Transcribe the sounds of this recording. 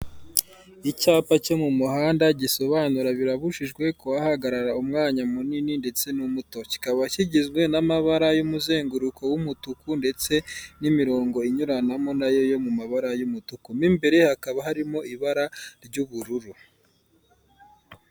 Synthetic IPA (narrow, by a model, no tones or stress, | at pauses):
icaːpacomumuhaːndaɟiso̞βaːnuɾaβiɾaβuʃiʒɡwe̞kowahaɡaɾaɾaumŋaːɲamunininde̞t͡se̞numuto̞ci̥kaβaciɟizɡwe̞namaβaɾajumuze̞ːŋɡuɾukʰo̞wumutukunde̞t͡se̞nimiɾo̞ːŋɡo̞iɲuɾanamo̞najo̞jo̞mumaβaɾajumutukumimbe̞ɾe̞hakaβaɦaɾimo̞iβaɾaɾɟuβuɾuɾu